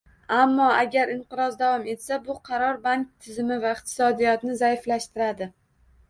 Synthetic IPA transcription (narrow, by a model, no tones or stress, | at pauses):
amːɒaɡʲaɾɪɴqɨɾɒzd̪avɒme̞t̪sabʊqʰɑɾɒɾbank̚ʲt̪ʰːɪzɪmɪvaɪqt̪ʰɪ̥sɒd̪ijɒt̪nɪzajflaʃt̪ɪɾad̪ɪ